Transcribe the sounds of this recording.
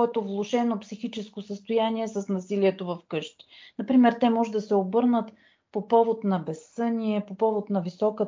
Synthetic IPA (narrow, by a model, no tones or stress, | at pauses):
ɛt̪ovlˠoʃɛnopsixit͡ʃɛskosəst̪ojaniɛsɐsnɐsiliɛt̪ovɐfkɤʃt̪i̥nɐpɾimɛɾt̪ɛmɔʒɛd̪ɐsɛobɤɾnət̪ | popɔvot̪nɐbɛsɤnʲiɛpopɔvot̪nɐvisɔkə